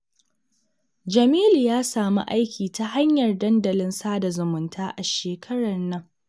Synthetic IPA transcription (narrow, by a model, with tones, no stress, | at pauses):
d͡ʒɐ˨miː˦ljaː˦saː˨mṵ˦ʔa˦jkʲʰiː˨ta˦ha˦ɲjɐ˨rdɐ˦ndɐ˨lɪ˦nsaː˦da˨zʊ˨mʊ˨ntʰaː˦ʔa˨ʃeː˨kʰɐ˦ɽɐ˨nːɐ˦ŋ